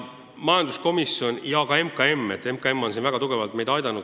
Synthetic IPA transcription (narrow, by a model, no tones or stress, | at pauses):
mɑjɑnd̪usko̞misjo̞nʲjɑkɑe̞mkˑɑe̞mːe̞t̪ːe̞mkɑe̞mːo̞ns̬invæɡ̥ɑt̪uɡ̥e̞vɑlt̪me̞jd̥̪ɑjd̪ɑnːu